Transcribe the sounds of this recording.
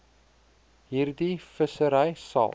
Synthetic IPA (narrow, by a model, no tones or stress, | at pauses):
ɦiːrdifəsəɾəjsɑ̰